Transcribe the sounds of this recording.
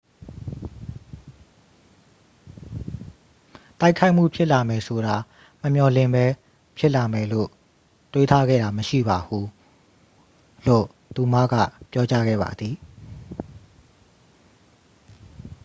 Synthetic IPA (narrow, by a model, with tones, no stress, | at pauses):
ta˦ɪkʰa˦ɪʔm̥ṵ˦˨pʰjɪ˦ʔla˨mɛ˨sʰo˨ɾa˨ | məmjɔ˨lɪ̃˦˨mbɛ˦ | pʰjɪ˦ʔla˨mɛ˨lo̰˦˨ | twe˦t̪ʰa˦ɡɛ̰˦˨ɾa˨məʃḭ˦˨ba˨hu˨ | lo̰˦˨ | t̪u˨ma̰˦˨ɡä̰˦˨pjɔ˦t͡ɕa˦ɡɛ̰˦˨ba̰˨d̪ði˨